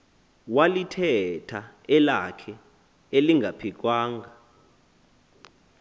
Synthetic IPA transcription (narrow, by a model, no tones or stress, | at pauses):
walitʰɛtʰa | ɛlakʰɛ | eliŋɡʱapʰik̬waːŋʱa